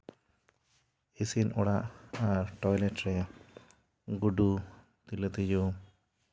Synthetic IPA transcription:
isinɔɽaʔaɾʈɔjlɛʈɾɛ | ɡuɖu | t̪ilət̪id͡ʒɔ

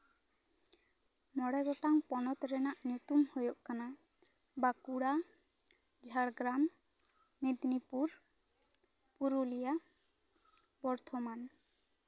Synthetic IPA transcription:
mɔɽɛɡɔʈaŋpɔnɔt̪ɾɛnaʔnjut̪umhojoʔkana | bakuɽa | d͡ʒʱaɽɡɾamː | ed̪nipuɾ | puɾulija | bɔɾt̪ʰɔman

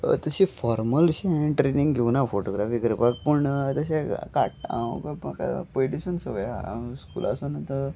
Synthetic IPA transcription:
t̪əɕifɔɾməlɕĩʈɾenĩŋɡɡʱewnafoʈoɡɾafiːɡəɾibaɡ̚pəɳt̪əɕeka̰ʈ̚ã̰kmaka̰peɖiɕənsəʋəjskṵlʔa̰sənat̪ə

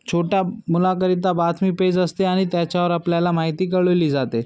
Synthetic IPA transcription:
t͡ɕʰoʈjamulakəɾit̪̬abat̪ʰmiːped͡zəst̪eaɽ̃it̪jat͡ɕjaʋəɾapljalamaɦit̪iːkəɭoliːd͡zat̪e

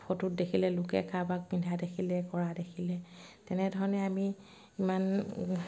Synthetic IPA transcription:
pʰotut̚dekʰilɛlʊkɛ̰kabak̚bindʱadekʰilɛkɔɹadekʰilɛtɛnɛdʱɔɹɔnɛami | iman

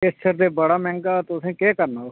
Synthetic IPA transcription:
ɪst͡ʃʰəɾd̪eːbəɽaːmɛ̃ːŋɡaːt̪ʊsʰẽːkeːkəɾnaːo

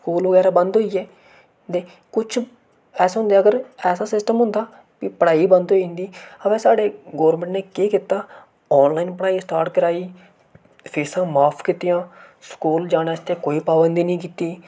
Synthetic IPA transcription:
skuːlʋəɡɛːɾaːbənd̪ɦoːiːɛː | t̪eː | kʊt͡ʃʰ | ɛːsɦʊ̃nd̪eːəɡəɾɛːsaːsɪsʈəmɦʊ̃nd̪aː | piːpəɽaːiːbənd̪ɦoːiːɦnd̪iːəʋɛ̃ːsaːɖeːɡoːɾmɛ̃ɳʈneːkeːkɪt̪aː | ɔːnlaːiːnpəɽaːiːsʈaːɾʈkəɾaːiː | pʰeːsãːmaːpʰkiːt̪ɪjãːskuːld͡ʒaːneːst̪eːkoːiːpaːbənd̪iːnĩːkiːt̪iː

